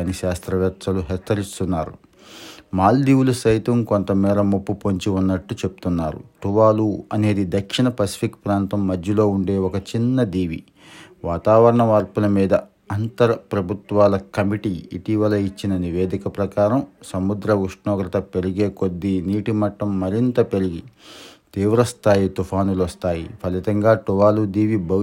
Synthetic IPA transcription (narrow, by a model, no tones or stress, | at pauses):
niʃaːst̪ɾɐʋjɐt̪ɐluɦɛt͡ʃːɐɾist̪unːaːɾṵ | maːld̪iːwulɐʃɐjt̪ɐmkont̪ɐmːɛːɾɐmupːupoɲt͡ʃiunːɐʈːut͡ʃe̞pu̥t̪unːaːɾṵʈuʋaːluɐne̞ːd̪id̪ɐkʂiɳɐpɐsi̥pʰikpɾaːnt̪ɐmːɐd̪ʱjɐlo̞ːuɳɖe̞ːɔkɐt͡ʃinːɐd̪iːʋḭ | ʋaːt̪aːʋɐɾɐɳɐʋaːɾpulɐmiːd̪ɐ | ɐnt̪ɐɾɐpɾɐbʱut̪ʋaːlɐkɐmiʈiḭʈiːʋɐlɐit͡ʃːinɐniʋe̞ːd̪ikɐpɾɐkaːɾɐmsɐmud̪ɾɐuʂɳɔːɡɾɐt̪ɐpe̞ɾiɡe̞ːko̞d̪ːiniːʈimɐʈːɐmːɐɾint̪ɐpeɾiɡit̪iːʋɾɐst̪aːjit̪upʰaːnulɐst̪aːjḭpʰɐlit̪ɐŋɡaːʈuʋaːlud̪iːʋibɐ